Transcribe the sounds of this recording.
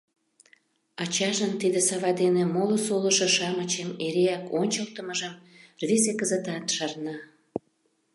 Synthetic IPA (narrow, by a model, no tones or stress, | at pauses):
ɑt͡ɕɑʒənt̪id̪esɑβɑd̪enemolosolə̆ʃoʃɑmət͡ɕemeɾeɑkonʲt͡ɕəlt̪əməʒəmrvizekəzət̪ɑt̪ʃɑrnɑ